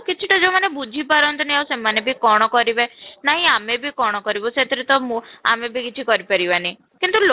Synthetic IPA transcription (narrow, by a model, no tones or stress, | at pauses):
kit͡ʃʰiʈɔd͡ʒemanebud͡ʒʱipaɾɔnt̪ɔniawsemanebʱikɔɽ̃ɔkɔɾibenaɦĩamebʱikɔɽ̃ɔkɔɾibɔset̪ʰiɾet̪ɔmũa̰mebʱikit͡ʃʰikɔɾipaɾibani | kint̪ul